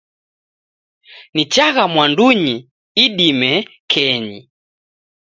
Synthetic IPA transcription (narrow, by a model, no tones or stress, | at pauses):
nit͡ʃaɣamwanduɲi | iɗimɛ | kʰɛɲḭ